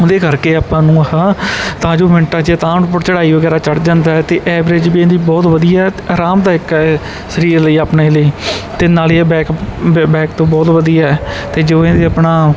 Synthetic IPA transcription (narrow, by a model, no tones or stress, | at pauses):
ʊd̪eːkəɾkeːaːpãːnũːɦaːt̪ãːd͡ʒoːʋɪɳʈãːd͡ʒeːt̪ãːnp̬ʊɽt͡ʃəɽaːiːʋəɡɛːɾaːt͡ʃəɽd͡ʒãːnd̪aːɛːt̪eːʔɛːʋɾed͡ʒbiːẽnd̪iːbɔːt̪ʋəd̪ijaːɛaːɾaːmd̪aːɪkɛ | səɾiːɾləiːaːpneːləiːt̪eːnaːliːɛːbɛːkːbɛːkt̪õːbɔːt̪ʋəd̪ijaːɛːt̪eːd͡ʒoːẽnd̪eːəpnaː